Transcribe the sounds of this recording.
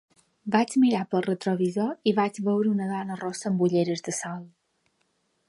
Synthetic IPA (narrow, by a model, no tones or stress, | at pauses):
bat͡ʃmiɾapəlˠrət̪ɾɔβizoiβad͡ʒβəwɾəunəðɔnərɔsəːmbuʎeɾəzd̪əsalˠ